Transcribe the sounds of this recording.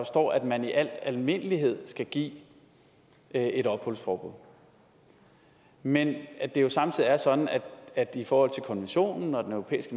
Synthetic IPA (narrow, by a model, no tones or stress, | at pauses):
ɒ̽sd̥ɒ̰ːæd̥mæniʔæl̰d̥ælme̝nəliɦe̝ð̰ˠsɡ̥æɡ̥ḭː | e̝ɾɒ̽b̥hɔ̽l̰sfɒːb̥uð̰ˠ | menæd̥e̝jo̝sɑ̈mt͡sʰiðˠiɐsɒ̽d̥n̩æ̥æd̥ifɒːhɒ̽l̰t͡sʰe̝lkʰɒ̽nʋenɕo̝̰ːnn̩ɒ̽d̥enœopʰḛːisɡ̥ə